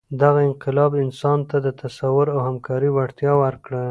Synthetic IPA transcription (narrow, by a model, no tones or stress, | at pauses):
d̪aɣaɪnqɪlɑbɪnsɑnt̪ad̪ət̪asawʊɾawhamkɑɾiwaɽt̪jɑwaɾkɽə